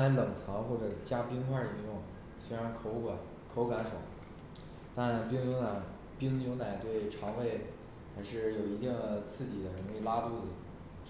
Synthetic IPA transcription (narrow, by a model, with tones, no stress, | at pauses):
a˧˥ɪlɤ˨˩ŋt͡sʰɑ˧˥ŋxwɔ˥˩ʈ͡ʂɤ˨˩t͡ɕja˥pi˥ŋxwa˥˩i˧˥jʊ˥˩ŋ˩ | swe˥ɪɻa˧˥nkʰo˧˥ʊka˨˧˦ | kʰo˧˥ʊka˧˥nʂo˨˩˦ | t̪a˥˩npi˥ŋnjʊ˧˥na˨˩ | pi˥ŋnjʊ˧˥na˨˩ɪt̪we˥˩ɪʈ͡ʂʰɑ˧˥ŋwe˥˩ɪ | xa˧˥ɪʂɻ̩˥˩jo˨˩ʊi˧˥t̪i˥˩ŋə˧˩t͡sʰɹ̩˥˩t͡ɕi˨˩d̪ə˦ɻə˧˥ne˥˩la˥t̪u˥˩d͡zɹ̩˨˩